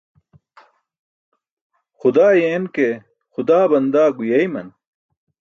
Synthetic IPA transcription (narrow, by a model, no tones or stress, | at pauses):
xʊd̪aːjeːnke | xʊd̪aːbɐnd̪aːɡujɐjmɐn